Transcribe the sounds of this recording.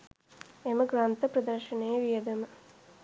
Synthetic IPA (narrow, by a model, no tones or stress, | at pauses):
emɐɡɾaːnt̪ɐpɾɐd̪ɐɾʃɐneːʋijɐd̪ɐmɐ